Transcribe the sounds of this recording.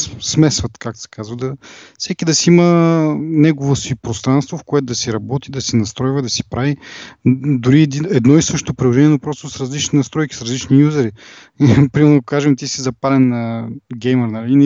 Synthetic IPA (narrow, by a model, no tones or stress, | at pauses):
smɛsvət̪kaksɛ̥kazvəd̪ɐfsɛkid̪ɐsiimənɛɡovosipɾost̪ɾanst̪vofkoɛt̪ʊd̪ɐsiɾɐbɔt̪id̪ɐsinɐst̪ɾɔjvɐd̪ɐsi̥pɾavi | d̪uɾiɛd̪iɛd̪nɔisəʃt̪t̪opɾilˠoʒɛnʲiɛnupɾɔst̪osɾɐzlit͡ʃninɐst̪ɾɔjkʲi̥sɾɐzlit͡ʃnijuzɛɾi | pɾimɛɾnkaʒɛmt̪isizɐpalɛnːɐɡɛjməɾnɐlin